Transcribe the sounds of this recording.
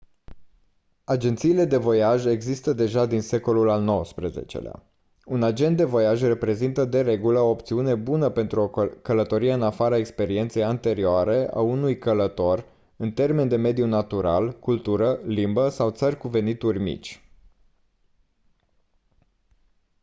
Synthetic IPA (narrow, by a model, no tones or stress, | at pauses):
ad͡ʒe̞nt̪siːle̞d̪e̞vo̞jaʒe̞ɡzist̪əd̪e̞ʒad̪inse̞ko̞lulalno̞wəspɾəzḛt͡ʃe̞̰l̰a̰ | unad͡ʒe̞nt̪̚d̪e̞vo̞jaʒʲre̞pɾe̞zint̪əd̪e̞ɾe̞ɡuləoːpt̪siune̞bunəpe̞nt̪ɾuo̞kələt̪o̞ɾijeɨnafaɾaekspe̞ɾie̞nt̪se̞jant̪e̞ɾioaɾe̞a̰unujkələt̪o̞r | ɨnt̪e̞rme̞nd̪e̞me̞d̪junat̪uɾa̰lkult̪uɾəlimbəsawt̪sərʲkuve̞nit̪urʲmḭt͡ʃʲ